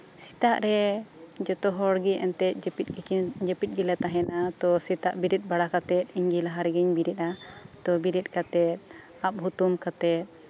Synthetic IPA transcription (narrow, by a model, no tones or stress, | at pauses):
si̥t̪aʔɾɛd͡ʒɔt̪ɔɦɔɽɡiʔɛnt̪ɛt̪̚ˀd͡ʒpit̪̚d͡ʒɛpit̪̚ɡilat̪aɦɛnat̪ɔsit̪aʔbiɾit̪̚ˀbaɽakat̪ɛt̪̚iɲɡilaɦaɾɛɡɛɲbiɾit̪at̪ɔbiɾit̪̚ˀkat̪ɛt̪̚ | ap̚ɦut̪umkat̪ɛt̪̚